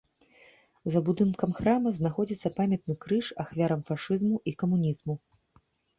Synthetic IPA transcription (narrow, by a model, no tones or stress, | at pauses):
zɐbud̪ɨnkɐmxɾamɐznaxɔd͡zʲit̪sːɐpamʲɐt̪̚nɨkɾɨʂaxvʲaɾɐmfaʂɨzmuʔikɐmunʲizmu